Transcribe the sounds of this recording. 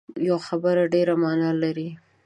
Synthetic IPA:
jawxabəɾaɖeɾamɑnɑlaɾi

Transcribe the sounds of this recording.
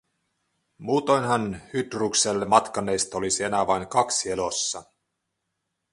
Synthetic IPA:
muːt̪ojnɦɑnhyt̪ruːkselːemɑt̪kɑnːe̞jst̪ɑolisie̞næʋɑiŋkɑksie̞losːɑ

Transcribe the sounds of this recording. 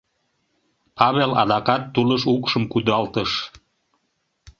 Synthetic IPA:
pɑβelɑ̰d̪ɑkɑt̪ːuləʃukʃəmkud̪ɑlt̪əʃ

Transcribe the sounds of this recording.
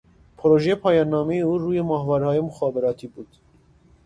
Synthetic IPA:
pʰɔɾɔʒɛpʰɑjɑnɑmiuɾujɛmɑhvɑɾhɑjumuχɑbɛɾɑt̪ʰibut̪

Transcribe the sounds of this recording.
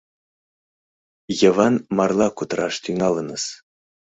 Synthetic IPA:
jɤ̆vɑnmɑrlˠɑkut̪ɾɑʃt̪yŋɑlˠɤnɤs

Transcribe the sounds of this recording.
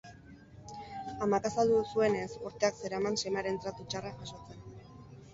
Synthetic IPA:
amakasald̪usue̞nesuɾt̪eakse̞ɾamansemaɾe̞nt̪ɾat̪ut͡ʃaraʝaʃo̞t͡sen

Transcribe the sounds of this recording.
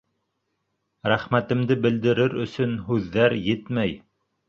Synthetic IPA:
ɾæχmæt̪ɘ̆md̪ɘbɘ̆ld̪ɘ̆ɾɘɾɵ̆sɵnɦʉðːæɾjɘt̪mæj

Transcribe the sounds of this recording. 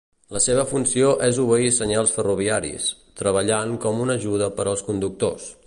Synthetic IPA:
ləseβ̞əfunsioʔɛzuβəisəɲalˠsfəruβ̞iaɾḭst̪ɾəβ̞əʎaŋkɔmunəʒuðəpəɾəlˠskund̪uk̚t̪o̰s

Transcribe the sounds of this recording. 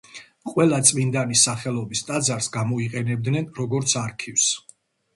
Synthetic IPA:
qʼwɛlˠat̪sʼmind̪anisaχɛlˠɔbist̪ʼad̪zaɾsɡamɔiqʼɛnɛb̚d̪nɛnɾɔɡɔɾt̪sʰaɾkʰifs

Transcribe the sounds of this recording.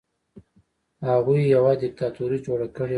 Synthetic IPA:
haɣujjawad̪ɪk̚t̪at̪uɾid͡ʒoɽakəɽe

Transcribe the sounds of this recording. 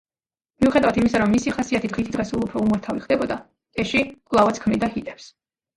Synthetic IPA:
miuχɛd̪avat̪imisaɾɔmːisiχasiat̪ʰid̪ʁit̪ʰid̪ʁɛsulˠupʰɾɔumaɾt̪ʰaviχd̪ɛbɔd̪a | ɛʃiqʼwlˠavat̪sʰkʰmnid̪aɦit̪ʼɛps

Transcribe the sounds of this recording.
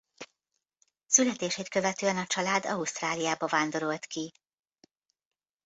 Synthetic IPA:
sylɛt̪eːʃeːt̪kø̞vɛt̪øːɛnɒt͡ʃɒlaːd̪ɒust̪raːlijaːbɒvaːnd̪o̞ɾo̞lt̪ki

